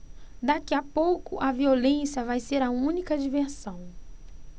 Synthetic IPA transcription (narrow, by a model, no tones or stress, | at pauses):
d̪akiapowkʊʔɐviolẽsjɐvajseɾɐũnikɐd͡ʒiveɾsɐ̃w̃